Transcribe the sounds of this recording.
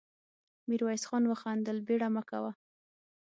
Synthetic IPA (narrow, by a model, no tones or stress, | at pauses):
miɾwɑjsxɑnwəxɑnd̪əlbeɽamakawa